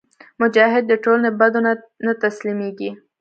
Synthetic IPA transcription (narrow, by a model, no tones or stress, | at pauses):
mʊd͡ʒɑɦɪd̪ːəʈolnabad̪ona | nat̪aslimeɡi